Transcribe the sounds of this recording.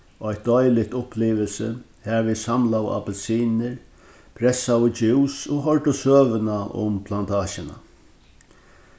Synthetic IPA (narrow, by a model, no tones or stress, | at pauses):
ɔjt̪̚d̪ɔjlɪt̪ʊpʰliːʋɪlsɪ | hɛvɪsamlawa̰pɛlsiːnɪɹ | pʰɾɛsawɪt͡ʃɪwsoɦɔɹʈʊsøːʋɪnaʔʊ̰mpʰlant̪ʰaːʃɪna̰